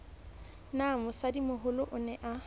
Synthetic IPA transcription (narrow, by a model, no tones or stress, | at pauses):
namʊsadimʊɦʊlʊʔʊnɛʔa